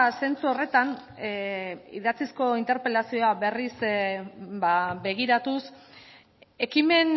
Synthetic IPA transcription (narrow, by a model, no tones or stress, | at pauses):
se̞nt͡suo̞re̞t̪an | iðat͡sisko̞int̪e̞ɾpe̞lasio̞aβe̞ris | babe̞ɣ̞iɾat̪us | e̞kime̞n